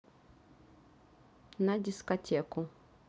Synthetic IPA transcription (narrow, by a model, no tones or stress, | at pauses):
nadʲiskɔtʰʲɛku